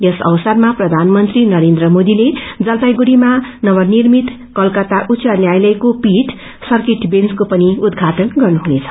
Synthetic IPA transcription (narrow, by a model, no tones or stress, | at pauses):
jʌsʌ̰wsʌrmaprʌd̪ʱanmʌnt̪rinʌɾend̪rʌmod̪iled͡zʌlt̪ajɡuɽimanʌβʌrnirmit̪ | kʌlkʌt̪aʔut͡sʌnjajlʌjkopiʈ | sʌrkeʈbenskopʌniud̪ɡʱaʈʌnɡʌrnuɦunet͡sʰʌ̥